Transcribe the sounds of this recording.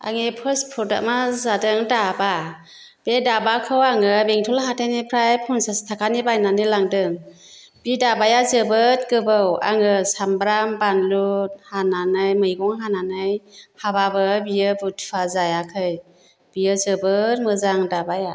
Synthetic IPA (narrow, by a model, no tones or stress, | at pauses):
a̰ŋepʰɯspʰuɾda̰ʔmazadɯŋdaba | b̥edabakʰɯwaŋɯbeŋtʰɔlɦatʰenipʰɾajpʰɔnsastʰakʰanibajnanɯlaŋdɯŋ | b̥idabajazɯbɯt̚ɡɯbɯwa̰ŋɯsambɾambanlut̚hananɯjmɯjɡɔŋɦananɯjhababɯbijɯbutʰazajakʰɯj | b̥ijɯzɯbɯt̚mɯzaŋdabaja